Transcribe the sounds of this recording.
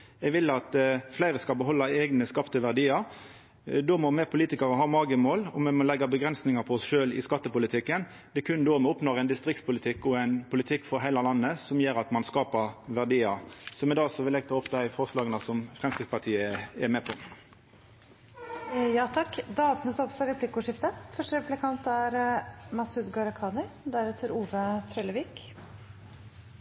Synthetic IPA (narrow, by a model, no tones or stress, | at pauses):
ɛɡʋɪlːɑt̪flæɪʁəskɑlbəɦɔlːɑɛːɡnəskɑpt̪əʋæʁd̪iːɑɾ | d̪oːmɔmɛpʰʊliːt̪ɪkɑʁəɦɑːmɑːɡəmoːlɔmɛmɔlɛɡːəbəɡʁɛnsnɪŋɑpʰɔɔsʃøːlɪ̰skɑt̪ːəpʊlɪt̪ʰɪkːən | d̪̥ɛkʰʉnd̪oːmɛɔpnɔːʁɛɪnd̪ɪst̪ɾɪk̚t̪spʊlɪt̪ʰɪkːɔɛɪnpʰʊlɪt̪ʰɪkːfɔɾɦæɪlɑlɑnːəsɔmjeːɾɑt̪mɑnskɑːpəʁʋæʁd̪iːɑsɔmɛd̪ɑːsɔʋɪlɛɡ̚t̪ʰlɔpd̪æɪfɔʁslɑːɡənəsɔmfʁɛmskɪɡ̪spɑt̪ʰiːəɛmeːpʰɔ | jɑːt̪ʰɑkːd̪ɛɑpnəsɔpfɔɾɛpʰlɪkʊʂɪft̪əfœʂʈəɾpʉplɪkʰɑnt̪æɾmɑsʉd̪ɡɑɾkʰɑːnɪd̪æɾɛt̪ʰəɾuːʋət̪ʰɾɛːləʋiːk